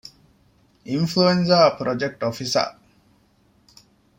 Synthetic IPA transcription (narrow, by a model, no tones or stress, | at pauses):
influenzɐpɾʔod͡ʒek̚ʈofisɐ̰